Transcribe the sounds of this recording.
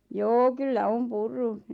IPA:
joː kylːæ om purːu

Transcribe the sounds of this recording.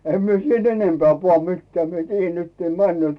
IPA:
em mie siːt enempeæˑ puɑˑ mitːĕæˑ mie tiːjːæn nyt ne mænːy̆øˑt

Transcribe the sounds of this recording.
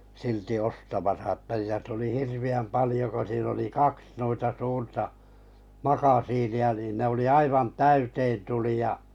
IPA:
silti ostɑmɑsɑ ə̆tæ jɑ tuli hirʋiæm pɑlĭjo ko siːn oli kɑks nuitɑ suːrtɑ mɑkɑsiːniɑ niːn ne oli ɑiʋɑn tæyteːn tuli jɑ

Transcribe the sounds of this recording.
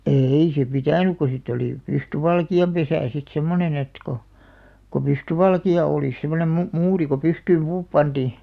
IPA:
eːi se pitæˑnuk ko sitˑ oliˑ pystyʋɑlkiɑmpesæˑ sit semːonen et ko ko pystyʋɑlkiɑ oˑlis̆ semˑonem mu muːri ko pystyːm puːp pɑnd̥iˑ

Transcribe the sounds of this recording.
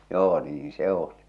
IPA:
joː niːĩ se oli

